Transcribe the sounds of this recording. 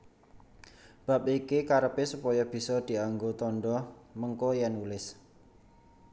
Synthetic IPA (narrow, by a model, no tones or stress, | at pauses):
b̥a̤p̚ikikaɾəpɪsupɔjɔb̥i̤sɔd̪̥i̤aŋɡot̪ɔnɖɔməŋkɔjɛnulɪs